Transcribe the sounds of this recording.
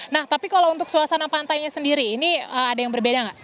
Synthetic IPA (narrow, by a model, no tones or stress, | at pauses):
naht̪apikalount̪ʊk̚suasanapant̪ajɲasəndiɾiːniəadajaŋbərbedaŋɡaʔ